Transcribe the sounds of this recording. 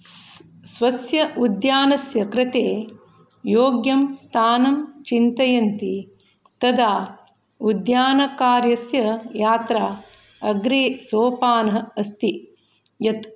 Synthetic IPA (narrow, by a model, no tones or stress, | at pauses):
sʋɐsjɐud̪jaːnɐsjɐkɾɐt̪eː | joːɡjɐmst̪ʰaːnɐmt͡ʃint̪ɐjɐnt̪i | t̪ɐd̪aː | ud̪jaːnɐkaːɾjɐsjɐjaːt̪ɾaː | ɐɡɾeːsoːpaːnɐɦɐ̆ɐst̪i | jɐt̪